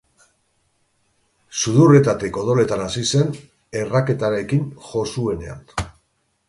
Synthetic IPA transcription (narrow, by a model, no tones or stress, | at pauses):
suðuret̪at̪iko̞ð̞o̞le̞t̪anasise̞n | e̞rake̞t̪aɾe̞kiŋʝo̞sue̞nea̰n